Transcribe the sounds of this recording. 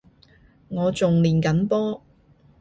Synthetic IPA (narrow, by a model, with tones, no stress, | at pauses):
ŋɔː˨˧t͡sʊ˨ŋliː˨˩nkɐ˨˥npɔː˥